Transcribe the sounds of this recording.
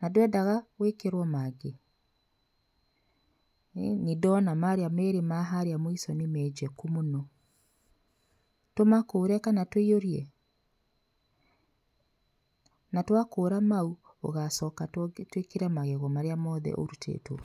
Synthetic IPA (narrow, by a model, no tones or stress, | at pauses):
nadwɛdaɣawekeɾwɔmaɡe | nidɔnamaɾeameɾemaɦaɾeamoisɔnimɛd͡ʒɛkumonɔ | tomakoːɾɛkanatoioɾjɛ | natwakoːɾamau | o̰ɣasɔːkatwekeɾɛmaɣeɣɔmaɾeamɔðɛ̰ʔo̰ɾutʰḛːto̰